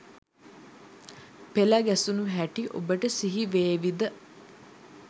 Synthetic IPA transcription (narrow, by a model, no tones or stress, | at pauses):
pelaɡɛsunuɦæʈiʔo̰bəʈəsiɦiʋeːʋid̪ə